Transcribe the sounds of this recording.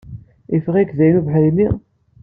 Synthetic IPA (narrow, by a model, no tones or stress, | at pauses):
ifʁikðæjnuvħəjnːi